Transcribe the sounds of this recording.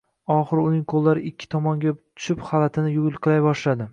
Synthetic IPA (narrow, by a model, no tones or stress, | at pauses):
ɒχɨɾʊnɪŋqʰolˠːaɾɪɪkʲʰːɪ̥t̪ʰɒmɒŋɡʲat̪ʰʊ̥ʃɪpχalat̪ʰɪnɪjʊɡʲɪlˠqʰɨlˠajbɒʃlad̪ɪ